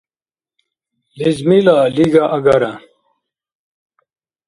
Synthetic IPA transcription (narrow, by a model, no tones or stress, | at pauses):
lizmilaliɡaʔɐɡɐɾa